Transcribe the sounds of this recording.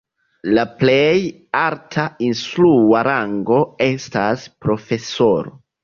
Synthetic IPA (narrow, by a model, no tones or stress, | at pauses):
laplej | altʰainsluaɾaŋɡo̞e̞staspɾo̞fe̞so̞ɾo